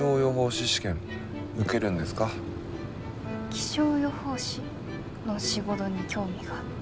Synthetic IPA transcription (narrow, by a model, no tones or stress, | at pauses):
o̞ːjo̞ɦo̞ːɕiɕi̥kẽ̞ŋ | ɯ̟ke̞ɾɯ̟̃nd̪e̞sɨ̥ka | kʲi̥ɕo̞ːjo̞ho̞ːɕi | no̞ɕiɡo̞t̪o̞ɲ̟ikʲo̞ːmʲiɡ̥a